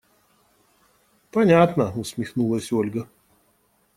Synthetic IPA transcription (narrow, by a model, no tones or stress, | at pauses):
pɐnʲat̪nəʊsʲmʲɪxnulˠəsʲolʲɡə